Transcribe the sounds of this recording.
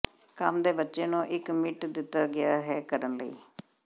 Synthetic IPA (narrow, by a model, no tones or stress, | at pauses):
kəmd̪eːbətːʃeːnũːʔɪkmɪʈd̪ɪt̪ːaːɡɪjaːɦɛːkəɾənləḭː